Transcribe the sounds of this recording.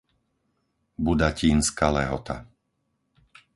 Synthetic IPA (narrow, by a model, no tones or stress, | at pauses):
bud̪aciːnskalɛɦɔt̪a̰